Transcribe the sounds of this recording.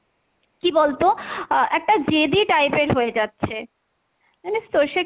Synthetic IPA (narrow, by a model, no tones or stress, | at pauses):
kibolt̪oɛk̚ʈad͡ʑed̪iʈajpeɾɦojed͡ʑatːɕʰe | ɛnest̪oɾʃe